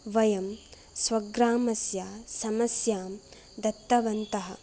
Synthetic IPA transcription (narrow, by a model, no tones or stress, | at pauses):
ʋɐjɐm | swɐɡɾaːmɐsjaːsɐmɐsjaːm | d̪ɐt̪ːɐʋɐnt̪ɐɦɐ̰̆